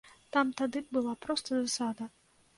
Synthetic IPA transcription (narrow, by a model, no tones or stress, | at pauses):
t̪amt̪ad̪ɨbɨlˠapɾɔst̪ɐzasad̪ɐ